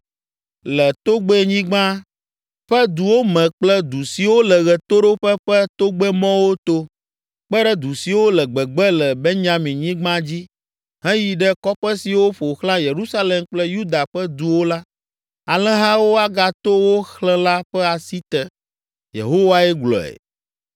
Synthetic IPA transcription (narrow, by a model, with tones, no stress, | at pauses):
lɛ˨t̪o˦ɡ͡bɛ˦˨ɲĩ˦ɡ͡bã˦ | ɸɛ˦d̪u˨wo˦mɛ̃˨k͡plɛ˦d̪u˨si˨wo˦lɛ˨ɣɛ˨t̪o˦ɖo˦ɸɛ˦ɸɛ˦t̪o˦ɡ͡bɛ˦mɔ̃˦wo˦t̪o˦ | ɸk͡pɛ˦ɖɛ˦d̪u˨si˨wo˦lɛ˨ɡ͡bɛ˨ɡ͡bɛ˦lɛ˨be˦ɲã˦mĩ˨ɲĩ˦ɡ͡bã˦d͡ʑi˦ | ɦɛ̃˦ji˨ɖɛ˦kɔ˦ɸɛ˦si˨wo˦ɸo˨xlã˦je˨ɾu˦sa˦le˨mk͡plɛ˦ju˦d̪a˨ɸɛ˦d̪u˨wo˦la˦ | a˨lɛ̃˦ɦã˦wo˦a˦ɡa˨t̪o˦wo˦xlɛ̃˦la˦ɸɛ˦a˨si˦t̪ɛ˨ | jḛ˨ɦo˦wa˦ɛ˦ɡlɔ̰˨ɛ̰˨